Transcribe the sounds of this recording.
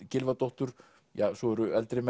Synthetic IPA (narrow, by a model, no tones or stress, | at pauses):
cɪlvat̪oht̪ʏɾ̥ | jaːsɔɛɾʏɛlt̪ɾɪmɛ